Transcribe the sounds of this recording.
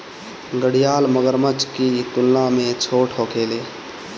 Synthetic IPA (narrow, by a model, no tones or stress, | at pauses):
ɡəɽijaːlməɡəɾmət͡ʃkit̪ʊlnamẽt͡ʃʰoːʈʰɦoːkʰeːleː